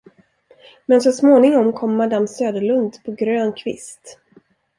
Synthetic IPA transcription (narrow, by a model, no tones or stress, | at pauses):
mɛns̬ɔsmoːnɪŋɔmkʰɔmːad̪amːsøːd̪əɭɵnd̪pʰɔɡɾøːnkʰvɪ̰st̪